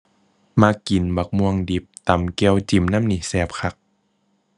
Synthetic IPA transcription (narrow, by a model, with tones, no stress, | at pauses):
maː˧ki˨˩nba˨˩k̚mu˧əŋdi˨˩p̚t̪a˨˩mki˧əwt͡ɕi˨˩mna˧˥˨mni˧˨˩sɛː˧˦p̚kʰa˧˦k̚